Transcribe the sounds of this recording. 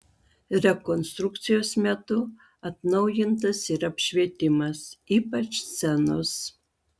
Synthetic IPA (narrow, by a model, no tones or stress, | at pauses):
ɾʲɛkɔnst̪ɾʊk̚t̪sʲɪjoːsmʲɛt̪ʊ | ɐt̪nɐʊjɪnt̪ɐsiɾɐpʲʃʲʋʲiɛt̪ʲɪmɐsiːpɐt͡ʃst̪ʲɛnos